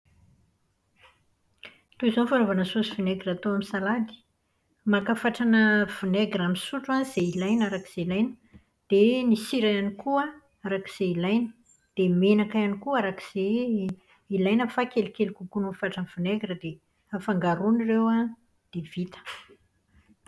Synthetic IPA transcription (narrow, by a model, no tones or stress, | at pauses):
t̪uizonifaɾovanəsusivuneɡirat̪oamisalad̪i̥ | makafaʈ͡ʂanəv̥uneɡramisuʈ͡ʂuaz̥eilajnaɾakiz̥eilajnə̥ | d̪̥enisiɾajanikuə | aɾaki̥z̥eilajnə̥ | d̪̥emenakajanikuaɾaki̥z̥e | ilajnəfakelikelikukunufaʈ͡ʂanv̥uneɡrəd̪e | afaŋɡaɾunirewa | d̪̥ev̥it̪ə̥